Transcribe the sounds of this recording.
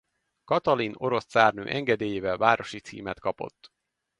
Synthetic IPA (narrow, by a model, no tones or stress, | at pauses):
kɒt̪ɒlino̞ɾo̞ssaːrnø̰ːʔɛŋɡɛd̪eːjeːvɛlvaːɾo̞ʃit̪sḭːmɛt̪kɒpo̞̰t̪ː